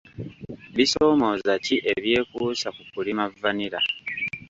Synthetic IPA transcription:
βiso̞ːmo̞ːzaciʔe̞βje̞ːkuːsakukulimavːaniɾa̰

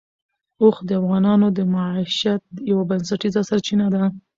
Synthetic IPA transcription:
oxd̪əafɣɑnɑnod̪əmaʕiʃat̪̚jawabansaʈizasaɾt͡ʃinad̪a

